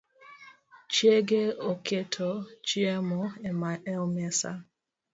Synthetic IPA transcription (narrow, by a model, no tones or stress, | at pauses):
t͡ʃjeɡeokʰetʰɔt͡ʃiemɔɛmaɛɔmɛsa̰